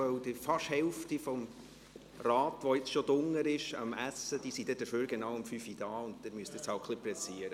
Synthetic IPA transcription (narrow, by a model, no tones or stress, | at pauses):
œwd̥ifɑʃhɛwftifɔm | rɑːtʋɔjɪt͡sʃɔd̥ʊŋːəɾɪʃɑ̰mæsːəd̥isid̥̪ɛd̥əføːɾɡenɑʊwəmfyfid̥ɑːʊndtɪɾmyəstɪt͡shɑwχliplɛt͡siəɾə